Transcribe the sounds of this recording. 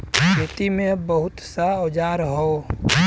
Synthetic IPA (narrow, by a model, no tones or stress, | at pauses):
kʰeːt̪imẽbəɦʊt̪saod͡ʒaɾɦo